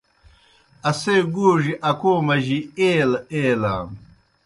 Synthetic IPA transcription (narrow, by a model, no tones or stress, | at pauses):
ɐseːɡuːʐiʔɐkoːmɐʑieːlɐeːla̰ːm